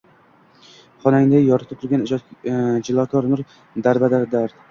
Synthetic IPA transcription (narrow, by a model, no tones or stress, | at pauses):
χɒnaŋd̪ajɒɾɪt̪ʰɪp̚t̪ʰʊɾɡʲanɪd͡ʒ̪d͡ʒɪlˠɒkʰɒɾmɪɾ | d̪aɾbad̪aɾd̪aɾ